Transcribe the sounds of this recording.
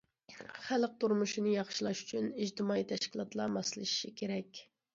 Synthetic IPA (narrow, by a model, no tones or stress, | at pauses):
χælˠq̚t̪uɾmuʃinɨjɑχʃilˠɑʃy̥t͡ʃʰynid͡ʒt̪ʰɪmɑit̪ʰɛʃkʲilˠɑt̪lˠɑmɑsɨlˠɨʃi̥ʃikʲʰeɾɛkʲ